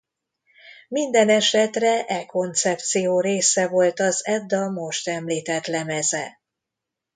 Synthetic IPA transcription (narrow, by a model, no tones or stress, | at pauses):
mind̪ɛnɛʃɛt̪rɛʔɛko̞nt̪sɛpt̪sijoːɾeːsɛvo̞lt̪ɒzɛd̪ːɒmo̞ʃt̪ɛmliːt̪ɛt̪lɛmɛzɛ